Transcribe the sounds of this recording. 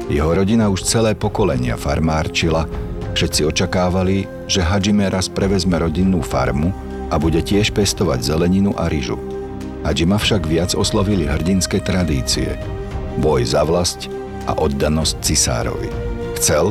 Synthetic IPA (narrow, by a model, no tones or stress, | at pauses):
jɛɦɔɾɔɟinauʃt͡sɛlɛːpɔkɔlɛɲɪa̰faɾmaːɾt͡ʃila | fʃɛt̪t͡siɔt͡ʃakaːʋali | ʒɛɦad͡ʒimɛɾʔaspɾʔɛʋɛzmɛɾɔɟinːuːfa̰ɾmu | ʔabuɟɛcɪɛʃpɛst̪ɔʋa̰ɟzɛlɛɲinuʔaɾiʒṵ | ɦad͡ʒimafʃaɡʋɪad͡zɔslɔʋiliɦr̩ɟinskɛt̪ɾad̪iːt͡sḭɛ̰ | bɔjzaʋlasc | ʔa̰ʔɔd̪ːanɔsc̚t͡sisa̰ːɾɔ̰ʋḭ | xt͡sɛl